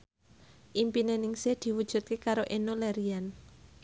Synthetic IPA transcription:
ʔimpinenɪŋsed̪̥i̤wud̥ʒ̥ṳt̪̚kekaɾoʔenolɛɾian

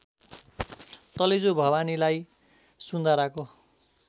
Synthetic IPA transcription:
t̪ʌlid͡zobʱʌbanilaj | sund̪ʱaɾako

